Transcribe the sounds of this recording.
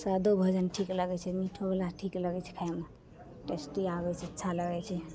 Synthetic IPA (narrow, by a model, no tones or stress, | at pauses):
səd̪obʱəd͡ʒənʈʰikləɡɛt͡ʃʰɛmiʈʰobelaʈʰikləɡɛt͡ʃʰɛ̥kʰajme | ʈesʈiaβɛt͡ʃʰɛətːʃʰaləɡɛt͡ʃʰɛ